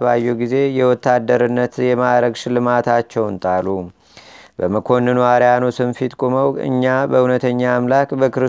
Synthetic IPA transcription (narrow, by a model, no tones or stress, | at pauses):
βajːɛɡize̞jɛwɔt̪ːad̪ːəɾɨnːət̪jɛmaɾəɡʃɪlɨmat̪ʰat͡ʃːɛwnt̪ʼalu | bəməkʰo̞nːɨnuaɾejanosɨnfit̪kʼoməwɨ̰ɲːabəhunət̪ʰəɲːaːmlakbəkɨɾɨ